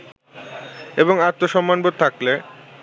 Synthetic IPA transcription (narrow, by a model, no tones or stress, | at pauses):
eboŋaɾt̪ːoʃɔmːanbot̪̚t̪ʰakle